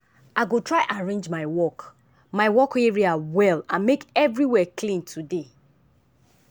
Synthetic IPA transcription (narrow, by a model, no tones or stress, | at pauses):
aɪɡotɹaɪʔaɹẽnd͡ʒmaɪwɔk | maɪwɔkeɹiawɛlãnmekɛvɹiwɛkʰlĩntʰude